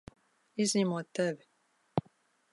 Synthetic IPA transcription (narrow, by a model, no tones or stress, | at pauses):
izniːmot̪ɛbɛ